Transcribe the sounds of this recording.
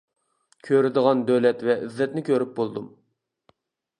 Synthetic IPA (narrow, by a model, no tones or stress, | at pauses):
kʲʰøɾɪd̪əʁɑnd̪øwlɛt̪vɛʔyzːɛt̪nɪkʲʰøɾyp̚bolˠd̪um